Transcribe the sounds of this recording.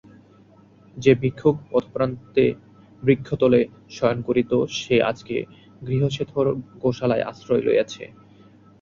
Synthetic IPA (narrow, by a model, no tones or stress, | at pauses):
d͡ʑebikʰːok̚pɔt̪ʰpɾant̪e | bɾikʰːot̪ole | ʃɔjonkoɾit̪oʃeʔa̰d͡ʑkḛ | ɡɾiɦoʃet̪ʰoɾɡoʃalaeʔa̰sɾɔjlo̰ja̰t͡ɕʰḛ